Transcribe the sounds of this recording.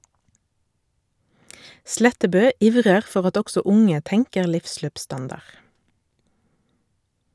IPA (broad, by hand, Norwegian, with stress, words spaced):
ˈslɛtəbøː ˈɪʋʁəʁ ˈfɔʁ ˈɑt ˈɔɡsɔ ˈʊŋə ˈtɛŋkəʁ ˈlɪfˌsløːpˌstɑndɑʁ